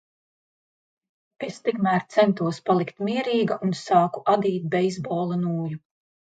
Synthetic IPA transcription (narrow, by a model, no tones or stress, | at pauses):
est̪ikmæːɾt̪sɛnt̪uɔspalˠikt̪miɛɾiːɡaʔunsɑːku̥ʔad̪iːt̪̚bɛizbɔːlˠanuːju